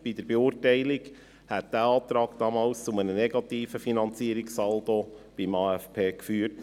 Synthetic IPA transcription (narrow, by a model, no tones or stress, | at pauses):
b̥id̥əɾbeʊːɾtɛɪliɡ | hæt̚d̥æɑːt̪ɾɑːkd̥ɑmɑːlst͡sʊmənənɛɡɑt̪iːfəfinɑnt͡siəɾiksɑldob̥imɑːæfpʰeːkfyːəɾt